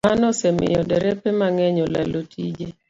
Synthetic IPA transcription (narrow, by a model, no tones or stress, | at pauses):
anɔsɛmɪ̰jɔdɛɾɛpɛmaŋɛɲɔlalotʰid͡ʒe